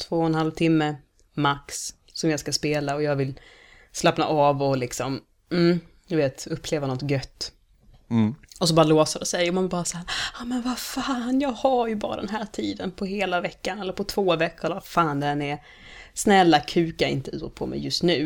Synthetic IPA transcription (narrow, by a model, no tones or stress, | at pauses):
t̪ʰvoːɛnhalvt̪ʰɪmːə | maksː | ɔmjɑaɡskaspeːlaɔjɑːɡvɪl | slapna̰ʔɑːvɔlɪksɔm | m̩ | d̪ɵveːt̪ɵpːleːvanɔt̪ɡœt̪ː | ɔsɔbɑːɾaloːsadɛsɛjɔmanbɑːɾasahæːɾɑmɛnvafaːnjɑːɡhaɾjɵbɑːɾa̰d̪ɛ̰nɦæːʈʰiːd̪ənpʰɔheːlavɛkːanɛlːəɾpʰɔt̪ʰv̥oːvɛkːɛlːvafaːnd̪ɛnɛ | snɛlːakʰʉ̟ːkjaɪ̰nt̪əʉːɔpʰɔmɛ̰jɵst̪nʉ̟ː